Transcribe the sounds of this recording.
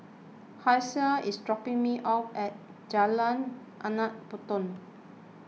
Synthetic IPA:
hajsəisdɹɔpĩŋmiʔapɛt̚ | d͡ʒalãn | ʔanat̚putɔ̃n

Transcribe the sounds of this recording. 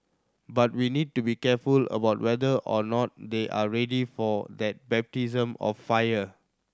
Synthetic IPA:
bat̚winid̚tubikɛfulə̰baʊt̚wɛdəʔɔnɔt̚deʔa̰ɹɛdifɔdɛt̚bɛp̚tizə̃mɔ̰fːajə

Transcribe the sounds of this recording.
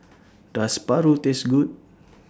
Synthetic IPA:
daspaɾut̪ɪsɡut̪̚

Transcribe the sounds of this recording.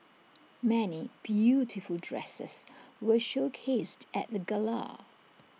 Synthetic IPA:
mɛnib̥jutʰɪfəlˠdɹɛ̰sə̰swəʃoʊkʰeɪstʰə̰t̪̚ðəɡəla̰

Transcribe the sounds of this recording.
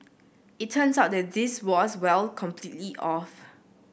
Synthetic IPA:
ittʰə̃nsaʊt̚dɛt̚diswɔswɛlkʰɔ̃mpʰlitliʔɔf

